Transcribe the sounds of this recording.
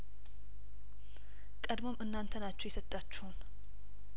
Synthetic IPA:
kʼəd̪mo̞mʔɨnːant̪ʰənat͡ʃːɛwjɛsət̪ʼːat͡ʃːɛhun

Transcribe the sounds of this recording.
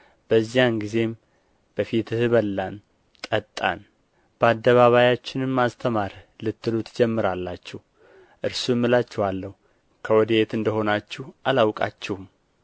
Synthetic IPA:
b̥əzːijanɡize̞m | b̥əfit̪ɨhɨβəlːan | t̪ʼət̪ʼːa̰n | b̥əad̪ːəβaβajat͡ʃːɪnɨmːast̪ʰəmaɾlɨt̪ːɨlut̪ʰd͡ʒɛmːɨɾalːat͡ʃːɛh | ʔɨɾsumːɨlat͡ʃːɛhalːəhu | kʰəwɔd̪əjet̪ɨnd̪əho̞nat͡ʃːɛhʔalawkʼa̰t͡ʃːɛhum

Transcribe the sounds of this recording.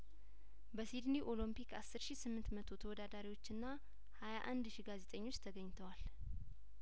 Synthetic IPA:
bəsid̪niʔo̞lumpikasːɨɾʃisɨmːɨnt̪mət̪ʰo̞t̪ʰəwɔd̪ad̪aɾiwo̞t͡ʃːɨnːa | hajaʔand̪ʃiɡaze̞t̪ʼəɲːo̞t͡ʃːt̪ʰəɡəɲːt̪ʰəwal

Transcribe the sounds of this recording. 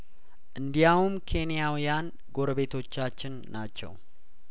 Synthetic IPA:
ʔɨnd̪ijawumkʰe̞nijawjan | ɡo̞ɾəβe̞t̪ʰo̞t͡ʃːat͡ʃːɪnːat͡ʃːɛ̰w

